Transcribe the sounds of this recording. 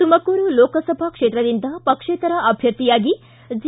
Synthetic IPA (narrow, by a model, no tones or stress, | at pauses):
t̪umɐkuːɾuloːkɐsɐbʱɐkʂeːt̪ɾɐd̪ind̪ɐpɐkʂeːt̪ɐɾɐʔɐbʱjɐɾt̪ːijaːɡi | d͡ʒ